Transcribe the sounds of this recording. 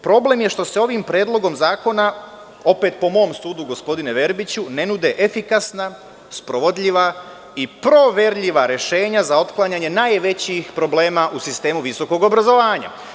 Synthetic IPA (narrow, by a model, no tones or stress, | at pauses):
pɾo̞ble̞mje̞ʃt̪o̞seo̞ʋimpɾe̞ːd̪lˠo̞ɡo̞mzaːko̞na | o̞pe̞ːt̪̚po̞mo̞ːmst̪uːd̪uɡo̞spo̞d̪ineʋe̞ɾbit͡ɕune̞nud̪e̞ʔefikasna | spɾo̞ʋo̞d̪ʎʲiʋa | ipɾo̞ʋeɾʎiʋaɾe̞ʃe̞ːɲazao̞t̪klˠaɲaɲe̞naːjʋe̞t͡ɕixpɾo̞ble̞ːmaʔusist̪e̞ːmuʋiso̞ko̞ɡobɾazo̞ʋaːɲa̰